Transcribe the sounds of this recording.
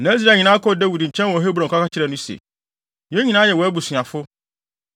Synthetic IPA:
nã˨˦i˦s̬ɾa˨ɲĩ˨nã˦kʰɔ˦˨dæ˦wi˨dɲ̩˨t͡ɕʰɛ̃˦n˦wɔ˨˦ɦe˦bɾɔ̃˨kʰʷa˦ka˦t͡ɕʰɪ˦ɾɛ˨nʊ̃˦sḛ˨ | jɛ˦ɲĩ˦nã˦jɛ˨wɔ˨æ˦bu˨sɥã˨fʊ˦

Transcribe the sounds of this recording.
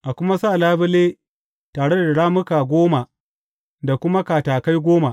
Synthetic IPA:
ʔa˨kʷʊ˦ma˦saː˦˨laː˦bɪ˦leː˦ | taː˨ɽe˦da˨a˨ɽaː˦mʊ˦kaː˨ɡʷoː˦ma˨ | da˨kʷʊ˦ma˦kaː˨taː˨ka˦jɡʷoː˦ma˨

